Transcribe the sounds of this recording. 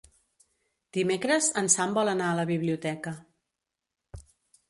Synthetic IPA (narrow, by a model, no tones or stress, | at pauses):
d̪̥imekɾəzənsambɔlˠənaələβiβ̞liut̪ɛkə